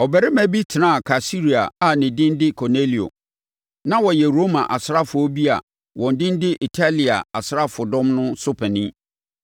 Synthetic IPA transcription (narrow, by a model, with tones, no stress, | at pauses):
ɔ˨bɛ˨ɾɪ˦mæ̃˨bi˦tʰɪ˨nã˦a˨kʰa˨si˦ɾi˨a̰˨a˨nɪ̃˨dɪ̃˦n̩˦dɪ˦kʰɔ˨ne˦li˨o̰˨ | nã˦wɔ˨jɛ˨ɾo˦mã˨ʔa˨sɪ˦ɾa˦fʊ˨ɔ˦bi˦a̰˨ | wʔɔ̃˨n˨dɪ̃˦n˦dɪ˦ʔi˨tʰa˦li˨a̰˨a˨sɪ˨ɾa˦fʊ˨dɔ̃˦mnʊ̃˦so˦pʰɛ˨nĩ˦